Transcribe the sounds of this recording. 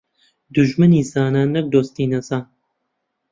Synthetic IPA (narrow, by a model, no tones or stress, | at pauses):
d̪uʒmɨniːzaːnaːnɐk̚d̪oːst̪iːnɐza